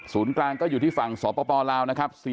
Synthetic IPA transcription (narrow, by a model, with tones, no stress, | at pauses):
suː˩˦nklaː˧ŋkɔː˥˩juː˨˩t̪ʰiː˥˩fa˨˩ŋsɔː˩˦˥pɔː˧pɔː˧laː˧wna˦˥kʰa˦˥p̚si˨˩